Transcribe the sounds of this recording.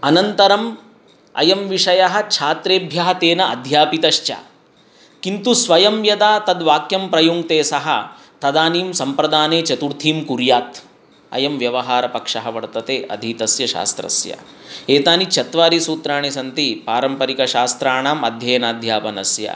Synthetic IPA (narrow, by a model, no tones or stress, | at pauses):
ɐnɐnt̪ɐɾɐm | ɐ̰jɐmʋiʂɐjɐɦɐ̆t͡ʃʰaːt̪ɾeːbʱjɐɦɐt̪eːnɐɐd̪ʱjaːpit̪ɐʃt͡ʃɐ̰ː | kint̪usʋɐjɐmjɐd̪aːt̪ɐd̪ʋaːkjɐmpɾɐjoːŋɡt̪eːsɐɦɐ | t̪ɐd̪aːniːmsɐmpɾɐd̪aːneːt͡ʃɐt̪uɾt̪ʰiːmkuɾjaːt̪ | ɐ̰jɐmʋjɐʋɐɦaːɾɐpɐkʂɐɦɐʋɐɽt̪ɐt̪eːʔɐ̰d̪ʱiːt̪ɐsjɐʃa̰ːst̪ɾɐ̰sjɐ̰ | eːt̪aːnit͡ʃʰɐt̪ʋaːɾisuːt̪ɾaːɳisɐnt̪ipaːɾɐmpɐɾikɐʃaːst̪ɾaːɳaːmɐd̪ʱjɐjnaːd̪ʱjaːpɐnɐ̰sjɐ̰